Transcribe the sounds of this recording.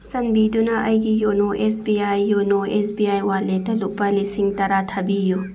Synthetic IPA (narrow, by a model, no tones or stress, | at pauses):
sɐnbid̪unɐʔɐjɡijonoʔesbiajːonoʔesbiajwaletɐluk̚pɐlisiŋtɐɾat̪ʰɐbiju